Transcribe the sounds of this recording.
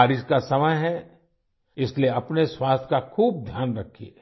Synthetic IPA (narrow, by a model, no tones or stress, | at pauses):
aːɾɪskasɐməjɦɛ | ɪslieɐpneswaːst̪ʰkakʰuːb̚d̪ʱjaːnɾɐkʰːie